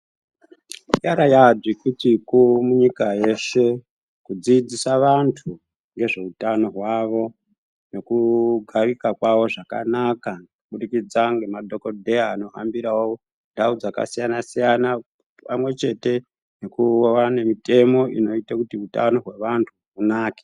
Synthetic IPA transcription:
jaɾajad͡zikutikumuɲikaje̞se̞ | kud͡zid͡zisaʋantʰu | ŋɡe̞ʐe̞utano̞ɦwaʋo̞ | ne̞kuɡʱarikakwaʋo̞ʐaka̰nakakuɓuɗikid͡zaŋɡe̞madʱo̞kodʱe̞aːno̞ɦa̰mbiɾawoo | ndaud͡zaka̰sijanasijana | pamwe̞t͡ʃe̞te̞ | ne̞kuoʋane̞mite̞mo̞ʔino̞itakutiuta̰no̞ɦwe̞ʋantʰu | unaːke

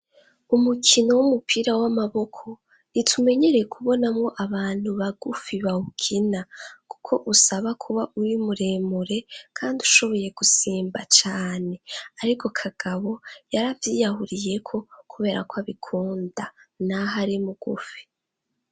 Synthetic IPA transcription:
umukʰinowumupʰiːɾawamaβo̞kʰo̞ | jitʰume̞ɲe̞ɾekʰuβo̞namŋo̞ʔaβaːn̥huβaɡufiβahukʰinaku̥kʰo̞ʔusaβakʰuβaʔuɾimuɾe̞ːmuɾe̞kʰaːndiuʃo̞βo̞je̞ɡ̥usiːmbat͡ʃaːne̞aɾiko̞kʰaɡ̥aβo̞jaɾavjijahuɾije̞kʰo̞kuβe̞ːɾa̰koaβikʰuːndanaɦaɾimuɡ̥ṵfi̥

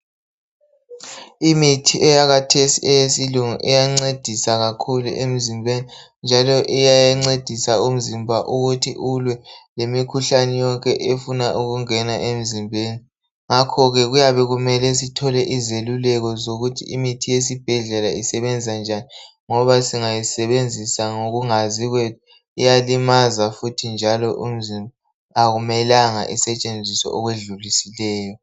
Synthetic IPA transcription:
imitʰiʔɛjaɣatʰesḭɛjesiluŋṵʔɛjaŋ͡ǀed̥ʱisaɣakʰulṵʔem̩zimbʱeni | nd͡ʒʱalɔʔɛjajaŋ͡ǀed̥ʱisaum̩zimbʱaʔuɣutʰḭʔulwɛlemikʰuɬanɛjɔŋkʼɛʔefunaʔuɣuŋɛnaʔem̩zimbʱeːni | ŋakʰɔɣɛɣujaβɛɣumɛlɛs̬itʰɔlɛʔizelulɛɣɔzoɣutʰḭimitʰijes̬ib̥ʱɛɮɛlaisɛβɛnd͡zʱis̬and͡ʒʱani | ŋɔβasiŋajisɛβend͡zʱisaŋoɣuŋaziɣwɛ | ijalimazafutʰind͡ʒʱalɔʔum̩zima | aɣumɛlaŋa̰ʔisɛt͡ʃʼend͡zʱisɔ̰ʔɔɣweɮulisilɛːjɔ

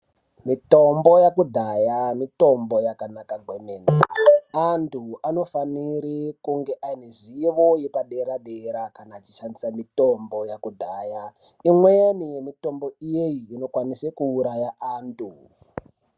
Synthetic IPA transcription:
mitombo̞jakudʱajamito̞mbojakanakaɡʱwemeːndaantʰuano̞faniɾikuŋɡe̞ʔaineziʋojepaɗeɾaɗeɾakanaːt͡ʃit͡ʃandisamito̞mbo̞jakudʱaja | imwejenijemito̞mbo̞ijeiːno̞kwanisekuːɾajaʔaːntʰu

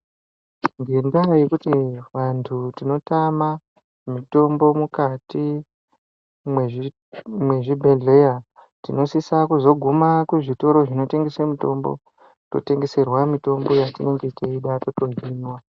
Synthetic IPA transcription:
ŋɡendajekutiʋantʰutino̞tama | mito̞mbo̞mukati | me | mwe̞ʐibʱe̞ɮe̞ja | tino̞sisakuzo̞ɡʱumakweʐito̞ɾo̞ʐino̞te̞ŋɡe̞semito̞̰mbo̞̰ | to̰te̞ŋɡe̞se̞rwamito̞mbo̞jatine̞ŋɡe̞iteiɗatoto̞ɦinwa

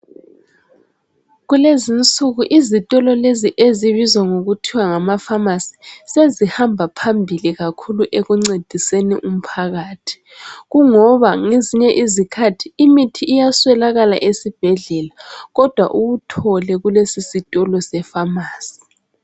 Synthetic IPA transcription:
ɣulezint͡sʼuɣuʔizitʼɔlɔleziʔeziβizwaŋoɣutʰiwaŋamafamasi̥sezihambʱapʰambʱiliɣakʰuluʔeɣuŋ͡ǀed̥ʱisenḭʔum̩pʰaɣaːtʰi̥ | ɣuŋɔβaŋeziɲɛʔizikʰatʰiːmitʰiːjaswɛlaɣala̰ʔesib̥ʱɛɮɛlaɣɔd̥ʱwa̰ʔuβutʰɔlɛɣulesisitʼɔlɔsɛfamaːsi̥

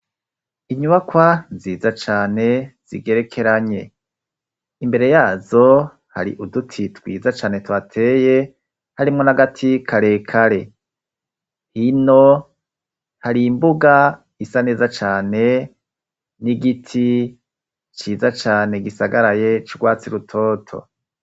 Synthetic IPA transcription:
iɲuβakwanziːzat͡ʃaːne̞z̥ḭɡe̞ɾe̞kʰe̞ɾaɲe̞̰ | imbe̞ɾe̞jaːzo̞ | ha̰ɾḭʔudutʰitwiːzat͡ʃaːne̞twaːtʰe̞ːje̞ | haɾimŋonaɡatʰikʰaɾe̞ːkʰaɾe̞ | hino | haɾiːmbuɡa | isane̞ːzat͡ʃaːne̞ | niɡitʰi | t͡ʃiːzat͡ʃaːne̞ɡisaɡaɾaje̞t͡ʃiɡwaːt͡siɾutʰo̞ːtʰo̰

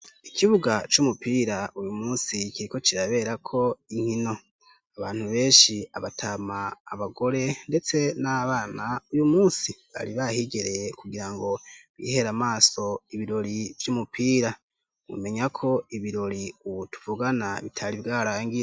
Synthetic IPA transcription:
ikʰiβuɡat͡ʃumupiːɾaujumuːnsikiɾiko̞t͡ʃiɾaβe̞ːɾakʰo̞iŋ̥hino̞ | aβaːn̥huβe̞ːnʃiaβatʰamaːβaɡo̞ɾe̞nde̞t͡se̞naβaːnaujumuːsiβa̰ɾiβahiɡe̞ɾekuɡiɾaŋɡo̞βḭːhe̞ɾamaːso̞iβiɾo̞ɾivjumupʰiːɾa | wṵme̞ɲakʰo̞iβiɾo̞ɾiuβutu̥vuɡanaβitʰaɾibɡaːɾaːŋɡiɾe

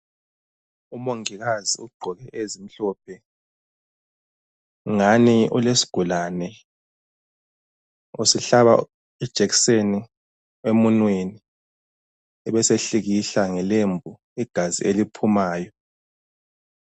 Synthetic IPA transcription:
umoŋiɣaziuɡ͡ǃʱɔɣɛʔezim̩ɬɔːp̚ʰɛ | ŋaniṵlesi̥ɡ̥ʱulanɛ | usiɬaβa̰ | id̥ʒ̥ʱeɣi̥seni | emunweni | ɛβɛseɬiɣiɬaŋɛlembʱu | iɡ̥ʱazḭʔelipʰumaːjɔ

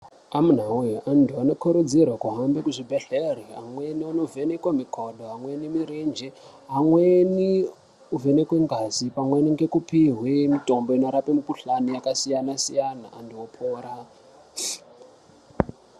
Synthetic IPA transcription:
amun̤aujiʔandʱuanokʰoɾod͡zirwakuɦambekuʐibʱeɬeriɦa̰mwenianovenekwamikʰoɗoɦaŋwenimiɾend͡ʒe | ɦaŋweni | uvenekweŋɡazipamweniŋɡekupiɦwemito̞mboino̞ɾapemikuɬanijakasijanasijanaʔandiwopʰoːɾa

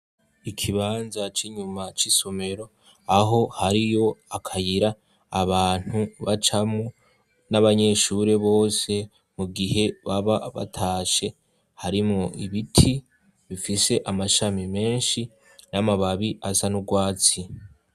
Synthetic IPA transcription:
ikʰiβaːnzat͡ʃiɲumat͡ʃiso̞me̞ɾo̞ | aɦo̞haɾijo̞akʰajiɾaː | βaːn̥uβat͡ʃamŋo | naβaɲe̞ʃuɾe̞βo̞ːse̞ | muɡihe̞βaβaβa̰tʰaːʃe̞ | haɾimŋoʔiβitʰi | βifise̞ʔamaʃamime̞ːnʃi | namaβaβiʔasanuɡwaːt͡si

